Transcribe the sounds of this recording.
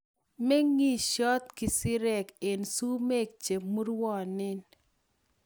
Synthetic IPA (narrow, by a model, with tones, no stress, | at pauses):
me˦ŋi˦ʃɔ˦t̪kɪ˨sɪ˦ɾɛ˦˨ke˨nsu˦me˦˨k̚t͡ʃe˨mu˦ɾwɔ˦˨nɪ˦n